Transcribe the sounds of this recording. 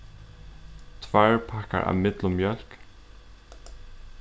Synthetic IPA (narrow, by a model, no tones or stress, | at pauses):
t̪ʰvæɹpʰaka̰ɹʔa̰ʋmɪt̪lʊmːjœl̥k